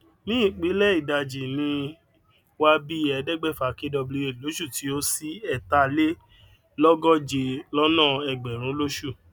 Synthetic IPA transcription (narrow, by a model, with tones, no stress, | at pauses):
nĩ˦ĩ˦˨k͡pĩ˨˦lɛ˦i˦˨da˨d͡ʒi˨nĩ˧ | wa˦bi˦ɛ˧˨dɛ˦ɡ͡bɛ˦˨fa˨ke˦dɔ˧bli˧e˦˨lo˨˦ʃu˦˨ti˨˧o˦si˦ɛ˦˨ta˧le˦ | lɔ˦ɡɔ˦d͡ʒe˨lɔ˦nã˦˨ɛ˨ɡ͡bɛ˨ɾ̃ũ˨˦lo˦ʃu˦˨